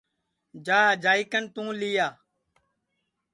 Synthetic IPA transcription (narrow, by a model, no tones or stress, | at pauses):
d͡ʒaːd͡ʒaːikənt̪ũːlijaː